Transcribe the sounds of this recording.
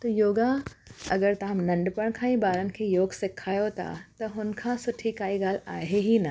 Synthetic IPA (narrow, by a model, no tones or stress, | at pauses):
t̪ɐjoːɡa | ɐɡəɾt̪ɐamnɐ̃ɳɖpəɽ̃kʰãːĩbaːɾənɪ̆kʰeːjoːɡsɪkʰaːjot̪ʰa̰t̪ɐɦʊnkʰãsʊʈʰikaːiɡaːlaːɦeɦinɐ